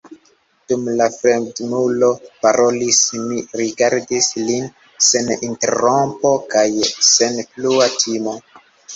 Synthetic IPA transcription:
d̥umlafɾe̞mdnulo̞paɾʔo̞lismiɾiɡaɾdislin | senintḛɾo̞mpo̞kajsenpluatʰimo̞

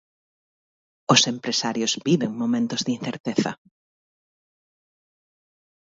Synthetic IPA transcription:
ʊsempɾesaɾjʊzbiβeŋmomẽnt̪ʊzðinθeɾt̪eθɐ̰

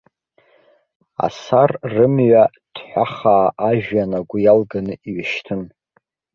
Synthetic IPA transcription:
a̰sarrɨmɥa | d̥ħʷᶣaχaːʔaʒᶣjanaɡʷʊjalɡanɨiɥaʃtʰɨn

